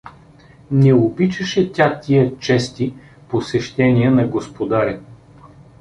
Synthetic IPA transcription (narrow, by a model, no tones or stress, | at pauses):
nɛobit͡ʃɛʃɛt̪ʲat̪ʲiət͡ʃɛst̪i | posɛʃt̪ɛnʲiənɐɡospod̪aɾʲɛ